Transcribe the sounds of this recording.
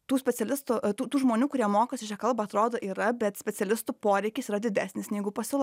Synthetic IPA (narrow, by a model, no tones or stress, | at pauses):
t̪uːsʲpʲɛtsʲɛlʲɪst̪ʊt̪uːt̪uːʒmoːnʲuːkʊɾʲiɛmoːkosʲɪt͡ʃʲɛkɐlˠbɐɐt̪ɾoːd̪oːʔiːɾɐbʲɛt̪sʲpʲɛsʲɛlʲɪst̪upoːɾʲɛɪkʲɪsiːɾɐd̪ʲɪd̪ʲæːsʲnʲɪsnʲɛɪɡʊpɐsʲɪlˠ